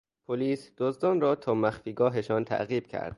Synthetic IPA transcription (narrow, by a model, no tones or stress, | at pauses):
pʰoliːsd̪̥ozd̪ɒːnɾɒːt̪ʰɒːmæxfiːɡɒːɦeʃɒːnt̪ʰæ̰ʔɣiːb̥cʰæ̰ɾd̪̥̚